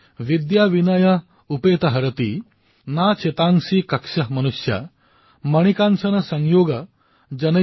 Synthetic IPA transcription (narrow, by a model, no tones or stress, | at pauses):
ʋid̪jaːʋinɐjɐ | upeːt̪ɐɦɐɾɐt̪i | naːt͡ʃʰet̪aːŋsikɐkʂɐɦmɐnusjɐ̰ | mɐɳ̃ikaːnʃɐnɐsɐŋjoːɡɐ | d͡ʒɐnɐ